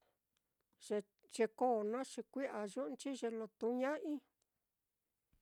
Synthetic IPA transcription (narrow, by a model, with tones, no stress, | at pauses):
ʒe˧ | ʒ̥e˧ko˦˨nã˦ʂi˧kʷi˦ʔa˨ʒu˦˧nt͡ʃi˦ʒe˧lo˧t̪u˧˦ɲã˦ʔĩ˦